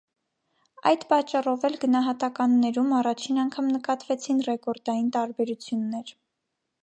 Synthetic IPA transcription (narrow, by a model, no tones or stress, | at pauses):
ɑ̰jd̪pɑt͡ʃːɑrɔvɛlɡənɑɦɑt̪ɑkɑnːɛɾumɑrɑt͡ʃʰinɑŋkʰɑmnəkɑt̪vɛt͡sʰinrɛkɔɾd̪ɑjint̪ɑɾbɛɾut͡sʰjunːɛɾ